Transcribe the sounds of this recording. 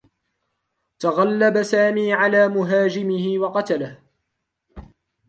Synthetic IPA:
t̪aɣalːabasaːmiːʕalaːmʊɦaːd͡ʒɪmɪhɪwɑqɑt̪alah

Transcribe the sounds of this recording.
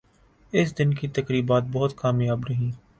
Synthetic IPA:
ɪsd̪ɪnkit̪ɐkɾiːbaːt̪̚bɔɦʊt̪kaːmjaːbɾɐɦĩː

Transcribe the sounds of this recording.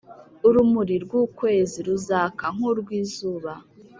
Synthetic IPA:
uɾumuɾiɾɡwuːkwe̞ːziɾuzaːkaŋ̥oɾɡwiːzuːβa

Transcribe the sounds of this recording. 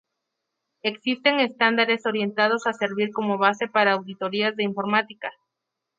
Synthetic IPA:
e̞ksist̪e̞ŋe̞st̪and̪aɾe̞so̞ɾje̞nt̪að̞o̞sase̞ɾβiɾko̞mo̞βase̞paɾaːwðit̪o̞ɾiazðe̞iɱfo̞ɾmat̪ika

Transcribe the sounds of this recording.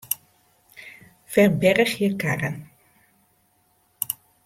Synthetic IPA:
fɛrbɛrəχjəkaːrən

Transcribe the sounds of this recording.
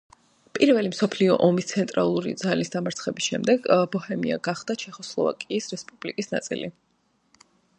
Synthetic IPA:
pʼiɾvɛlimsɔpʰliɔ̰ʔɔmist̪sʰɛnt̪ʼɾa̰lˠuɾḭd̪zalisd̪amaɾt̪sʰχɛbisʃɛmd̪ɛɡbɔhɛmḭa̰ɡaχd̪̥at͡ʃʰɛχɔslˠɔ̰va̰kʼiːsɾɛspʼub̥likʼisna̰t̪sʼḭlḭ

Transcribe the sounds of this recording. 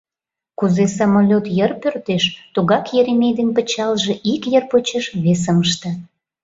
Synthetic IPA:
kuzesɑmolʲot̪jərpørt̪eʃt̪uɣɑkjeɾemejd̪enpət͡ɕɑlʒeʔikjərpot͡ɕəʃβes̬əməʃt̪ə̆

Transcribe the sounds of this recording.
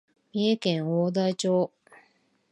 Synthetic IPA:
mʲiekẽ̞ŋ̃oːd̪ait͡ɕo̞ː

